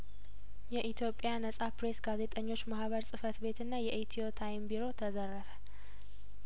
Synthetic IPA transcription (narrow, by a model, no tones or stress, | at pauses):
jɛʔit̪ʰjo̞pʼːjanəsʼapɾe̞sɡaze̞t̪ʼəɲːo̞t͡ʃːmahβəɾsʼɨfət̪be̞t̪ɨnːajɛʔit̪ʰio̞t̪ʰajmbiɾo̞t̪ʰəzərːəfə̥